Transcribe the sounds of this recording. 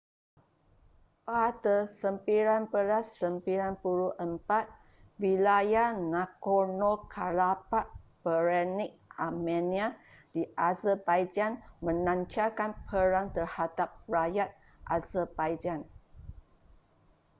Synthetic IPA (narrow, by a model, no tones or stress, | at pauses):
pat̪əsəmpiɾanpəɾasəmpiɾanpuɾuʔəmpat̪̚ | wilajanakonokʰalapaʔ̚bəɾɛnik̚amɛ̃niadiʔazəbajd͡ʒanmə̃nãɲt͡ʃakanpʰəɾaŋt̪ərhadap̚rajat̪̚ | ʔazəbajd͡ʒan